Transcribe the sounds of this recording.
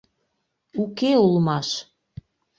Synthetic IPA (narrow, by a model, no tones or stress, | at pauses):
ukeulmɑʃ